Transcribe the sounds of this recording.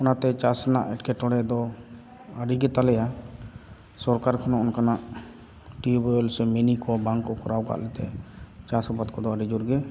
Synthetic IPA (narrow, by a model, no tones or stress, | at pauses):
ʊnat̪ɛt͡ʃasna̰ʔɛʈkɛʈ̪ɔɽɛd̪ɔ | aɖiɡɛt̪alɛja | sɔɾkaɾkʰanɔɔnkanaʔ | ʈibɔɔlsɛmɛnikɔbãŋkːɔkʰɔɾawɡa̰ʔlɛt̪ɛt͡ʃasɔbat̪̚kɔd̪ɔaɖid͡ʒuɾɡɛ